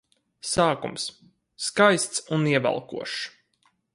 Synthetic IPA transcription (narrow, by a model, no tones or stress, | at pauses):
saːkṵmsː | kajst̪suniɛva̰lˠkṵɔʃ